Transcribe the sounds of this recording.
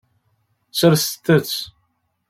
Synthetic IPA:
t͡sːəɾst̪ːət͡sː

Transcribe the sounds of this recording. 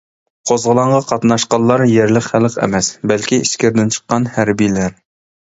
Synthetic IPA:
qʰozʁəlˠɑɴʁɑqʰɑt̪nɑʃqɑllːˠɑɾjeɾlɪqχælˠqɛ̰mɛsbælkʲiiʃkʲɪɾd̪ɪnt͡ʃʰə̥qːɑnhæɾbijlæɾ

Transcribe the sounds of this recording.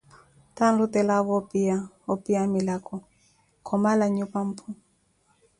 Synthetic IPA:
tan̩ɾutɛlaβɔpia | ɔpiamilakɔ | kʰɔmalaɲupam̩pʰu

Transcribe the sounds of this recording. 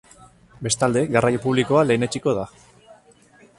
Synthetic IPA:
be̞st̪ald̪e̞ɡarajopuβ̞liko̞ale̞ːne̞t͡ʃiko̞ð̞a

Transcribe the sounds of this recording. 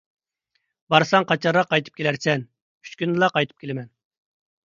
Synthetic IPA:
bɑɾsɑŋqʰɑt͡ʃʰɑɾʁɑqʰːɑjt̪ʰɨp̚kʲʰelæɾsɛnʰ | y̥t͡ʃkʲynd̪ɨlˠɑqɑjt̪ʰɨ̥p̚kʲʰelɪmɛn

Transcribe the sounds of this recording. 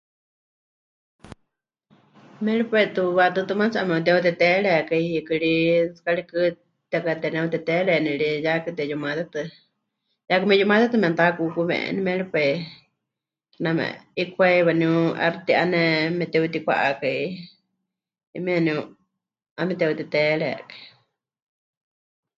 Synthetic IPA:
mɛɺipet̪uwat̪ɨt̪ɨmat͡siʔamɛ̃ut̪̬ɛut̪ɛt̪ɛɺɛakaihikɨɺisɨ̥kaɺikɨ | t̪akat̪ɛnɛ̃ut̪ɛt̪ɛɺɛnĩɺijakɨt̪ɛjumãt̪ɛt̪ɨ | jakɨmɛjumat̪at̪ɨmɛ̃ant̪akukumɛ̰̃ʔnimɛɺipai | knamɛ̰̃ikʰʷaiwaniuʔa̰ɾt̪iʔanɛmɛt̪ɛut̪ikʷa̰ʔakai | imianiu | amɛt̪ɛut̪ɛt̪ɛɺɛ̰kḁi

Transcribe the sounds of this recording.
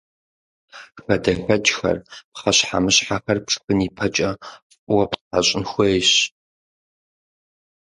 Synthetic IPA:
xɐdɐħʷɐt͡ʃʼxɐ̰rpχɐɕħa̰mɨɕħaxɐrpʂɨ̥xɨniːpʰɐt͡ʃʼɐfʼwɐpħa̰ɕʼɪnxʷejɕ

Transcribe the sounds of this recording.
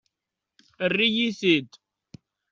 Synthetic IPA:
ərːijisid̪

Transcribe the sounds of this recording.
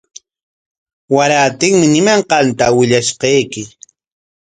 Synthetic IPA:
waɾaːt̪ɪŋmɪnɪmaɴqɑnt̪awɪʎaʃqɑjkɪ

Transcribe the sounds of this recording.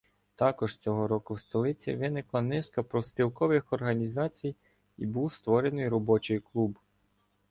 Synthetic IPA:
t̪ɑkɔʒ̥t͡sʲɔɦɔɾɔkʊwst̪ɔlˠɪt͡sʲḭʋɪnɪklˠɐnɪskɐpɾɔspʲilˠkɔʋɪxɔrɦɐnʲizɑt͡sʲij | ibuwst̪ʋɔɾe̞nɪjɾɔbɔt͡ʃɔjklˠub

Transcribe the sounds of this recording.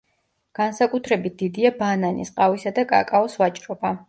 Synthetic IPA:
ɡ̥ansakʼut̪ʰɾɛbit̪̚d̪̥id̪iabananḭsqʼavisad̪akʼa̰kʼaɔsvat͡ʃʼɾɔba

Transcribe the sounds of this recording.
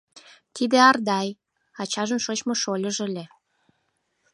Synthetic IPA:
t̪id̪eɑrd̪ɑj | ɑt͡ɕɑʒənʃot͡ɕmoʃolʲəʒelʲe

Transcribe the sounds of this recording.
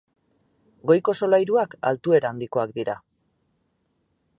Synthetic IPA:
ɡo̞jko̞so̞lajɾuaka̰lt̪ue̞ɾaand̪iko̞akd̪iɾa

